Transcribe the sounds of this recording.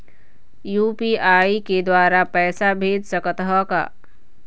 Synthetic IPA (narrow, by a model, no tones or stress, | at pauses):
juːpiaːiked̪waːɾapɛːsabʱeːd͡ʒsəkət̪ɦɔka̰ː